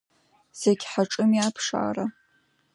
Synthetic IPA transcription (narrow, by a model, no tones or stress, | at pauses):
z̥eɡʲħaʈ͡ʂʼɨmiapʰʂa̰ːra